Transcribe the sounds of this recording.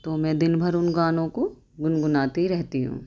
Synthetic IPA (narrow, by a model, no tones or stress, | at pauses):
t̪oːmɛ̃ːd̪ɪnbʱɐɾʊnɡaːnõko | ɡʊnɡʊnaːt̪iɾɛɦt̪iɦṵ̃ː